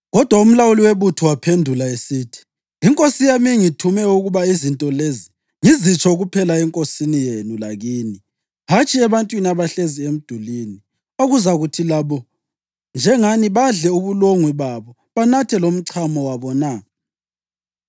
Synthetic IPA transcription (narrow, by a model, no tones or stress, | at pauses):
ɣɔd̥ʱwaum̩lawuliweβutʰuwapʰendʱulaesiːtʰi̥ | iŋkʼosijamiŋitʰumɛuɣuβaizintʼɔlezi | ŋizit͡ʃʰʼɔɣupʰɛlaɛŋkʼosinijenulaɣini | ɦat͡ʃʼiɛβantʼwiniaβaɬeziem̩d̥ʱulini | oɣuzaɣutʰilaβɔ | nd͡ʒʱɛŋaniβaɮɛuβuloŋwiβaβɔ | βanatʰɛlom̩ǀʰamɔwaβɔna